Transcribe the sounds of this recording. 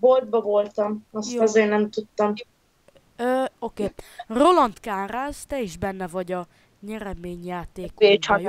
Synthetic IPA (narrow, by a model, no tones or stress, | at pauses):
bold̪̚bɒvo̞lt̪ɒmɒsjoɒzeːrnɛmt̪ut̪ːɒm | øo̞keːro̞lɒnt̪kaːraːzt̪ɛiʒbɛnːɛvɒɟɒ | ɲɛɾɛmeːɲjaːt̪eːket͡ʃɒj